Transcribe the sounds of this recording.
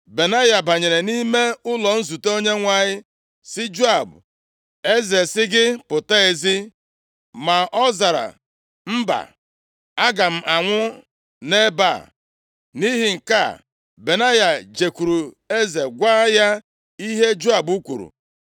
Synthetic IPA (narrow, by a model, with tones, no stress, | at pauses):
be˨na˦ja˨ba˨ɲe˨ɾe˨ni˦me˦ʊ˦lɔ˨n̩˦zu˨to˦ɲe˦ŋʷa˨ɲɪ˦ | sɪ˦d͡ʒu˦a˨bʊ̰˨ | e˦ze˨sɪ˦ɡɪ˦pʊ˨ta˦e˨zi˦ | ma˨ʔɔ˦za˨ɾa̰˨ | m̩˦ba̰˨ | a˦ɡa˨m̩˦ʔa˨ŋʷʊ˦ | ne˦ba̰˦˨ | ni˦ɦi˨ŋ̩˨ka̰˦˨ | be˨na˦ja˨d͡ʒe˨kʷu˨ɾu˨ | e˦ze˨ɡʷaː˦ja˦ | i˦ɦe˦d͡ʒu˦a˨bu˦kʷṵ˨ɾṵ˨